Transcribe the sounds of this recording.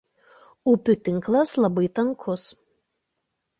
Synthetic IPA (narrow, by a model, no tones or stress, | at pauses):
ʊpʲʊt̪ʲɪŋˑklˠɐslˠɐbɐɪt̪ɐŋkʰʊs